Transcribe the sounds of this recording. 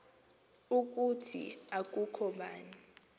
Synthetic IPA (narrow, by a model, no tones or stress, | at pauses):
uk̬ʼutʰḭak̬ʼukʰɔɓaːni